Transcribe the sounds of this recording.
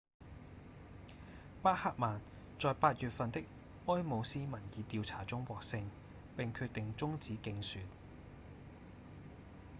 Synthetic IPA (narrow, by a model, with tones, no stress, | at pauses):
paː˥haː˥k̚maː˨n | t͡sɔː˨jpaː˧t̚jyː˨t̚fɐ˨nt̪ɪ˥k̚ | ɔː˥jmo˨˧wsiː˥mɐ˨˩njiː˨˧t̪iː˨˧wt͡sʰaː˨˩t͡sʊ˥ŋwɔː˨k̚sɪ˧ŋ | pɪ˨ŋkʰyː˧t̚t̪ɪ˨ŋt͡sʊ˥ŋt͡siː˨˥kɪ˧ŋsyː˨t̚